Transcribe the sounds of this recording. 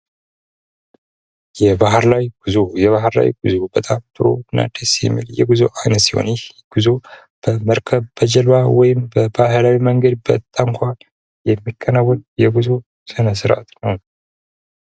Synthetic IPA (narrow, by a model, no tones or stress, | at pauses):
jɛbaɦɾlawjɡ̥ɨzojɛβaɦɾla̰wjiɡɨzobət̪ʼamt̪ʼɨɾo̰na̰d̪ʰesjɛ̰mːḭljɛ̰ɡɨzo̰ʔajnət̪siho̰nɪh | ɡ̥ɨzo | b̥əməɾkʰəbbəd͡ʒəlawɔjɪmbəbaɦɨlawiməŋɡəd̪̚bət̪ʼːaŋkʷʰa | jɛmːikʰːənawːɔljɛɡuzo | sɨnəs̬ɨɾʔa̰t̪nəw